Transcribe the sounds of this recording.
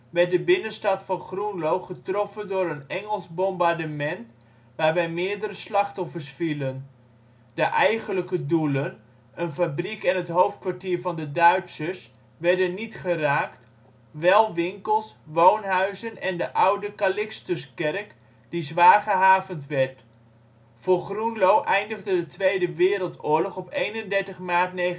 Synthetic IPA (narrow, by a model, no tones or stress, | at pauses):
ʋɛɹt̚dəbɪnənstɑtfɑnχrunlowχətrɔfəndʊːɾənɛŋəlˠzbɔmbaɹdəmɛnt | ʋaːɹʋɛjmɪːɹdəɾəslɑχtɔfəɹsfilən | d̥əʔɛjχənləkədulən | ənfabrikɛnətɦowft̚kʋaɹtiːɹvɑndədœɥtsəs | ʋɛɹdənːitχəraːkt | ʋɛlˠʋɪŋkəlˠsʋownɦœɥzənɛndəʔʌwdəkalɪkstəskɛrk | d̥izʋaːɹχəɦaːvəntʋɛɹt | fʊːɹχrunlowʔɛjndəχdədətʋejdəʋɪːɾəlˠtʊːɹlɔχɔpejnəndɛɹtəχmaːɹtne